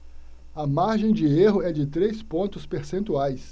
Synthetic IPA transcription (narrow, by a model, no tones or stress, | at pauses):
ɐmaɾʒẽj̃d͡ʒɪeɦʊɛd͡ʒɪt̪ɾespõnt̪ʊspeɾsẽnt̪uajs